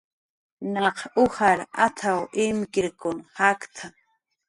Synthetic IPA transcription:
nɑqʊhaɾat̪ʰawɪmkɪɾkʊnhakt̪ʰa

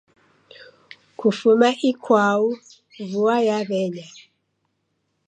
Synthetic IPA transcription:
kʰufumaʔikwau | vuajaβɛɲa

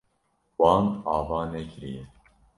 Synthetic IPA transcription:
wɑːnɑːvɑːnekɾijɛ

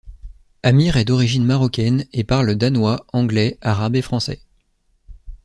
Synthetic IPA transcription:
amiʁɛd̪ɔʁiʒinmaʁɔkʲɛnepaʁld̪anwaɑ̃ɡlɛaʁabefχɑ̃sɛ̰

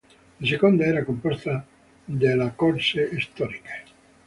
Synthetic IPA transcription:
isekond̪aɛɾakompost̪a | d̪elakoɾseːst̪ɔɾike̥

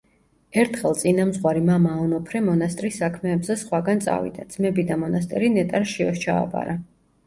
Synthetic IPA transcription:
ɛɾt̪ʰχɛlˠt̪sʼinamzʁwaɾimamaɔnɔpʰɾɛmɔnast̪ʼɾisːakʰmɛːbzɛsχwaɡant̪sʼa̰vḭd̪ad̪z̥mɛbid̪amɔnast̪ʼɛ̰ɾinɛt̪ʼaɾʃiɔʃt͡ʃʰa̰ːpʼa̰ɾa

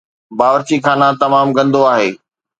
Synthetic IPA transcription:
baːʋəɾt͡ɕikʰaːnãt̪ɐmaːmkɐ̃nd̪oaːɦeː

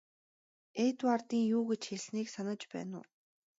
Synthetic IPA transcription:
eːt̪wart̪iːŋjuːɡet͡ɕxeɮniːksanə̆t͡ɕpæ̰ːnʊ̰ː

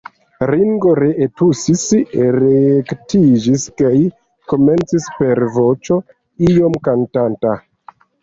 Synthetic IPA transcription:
ɾiŋɡo̞ɾeʔetusisɾektid͡ʒiskaj | ko̞me̞nt͡sispe̞ɾvo̞t͡ʃo̞ | ijo̞mkantanta

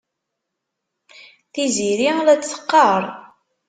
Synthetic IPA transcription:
θiziɾilæt͡sːθə̥qːɑɾˤ

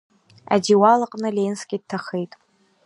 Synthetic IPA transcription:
a̰diwalaqʼnɨlenskʲʼid̚tʰaχejtʼ

